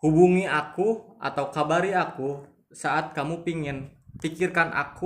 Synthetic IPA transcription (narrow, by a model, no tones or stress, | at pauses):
hubuŋiakuʔa̰t̪awkabaɾiaku | saʔat̪̚kamupiŋɪnfikirkanʔa̰ku